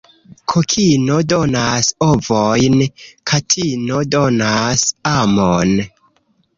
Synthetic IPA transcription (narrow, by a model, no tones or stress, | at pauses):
kʰokʰinodonasovojnkʰatʰinodonasamon